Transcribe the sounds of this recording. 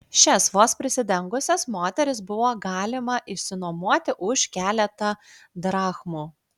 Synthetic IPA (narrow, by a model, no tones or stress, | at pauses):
ʃʲɛsʋoːspʲɾʲɪsʲɪd̪ʲɛŋɡʊsʲɛsmoːt̪ʲɛɾʲɪsbʊʋoːɡɑːlʲɪmɐʔɪʃʲsʲɪnomuɔt̪ʲɪʔʊʃkʲæːlʲɛt̪ɐ | d̪ɾɑːxmuː